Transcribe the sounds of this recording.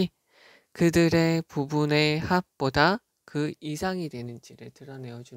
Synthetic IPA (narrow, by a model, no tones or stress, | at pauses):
i | kɯdɯɾe̞pubune̞hap̚p͈oda | kɯisʰaŋidwe̞nɯnd͡ʑiɾɯɭtɯɾʌne̞jʌd͡ʑu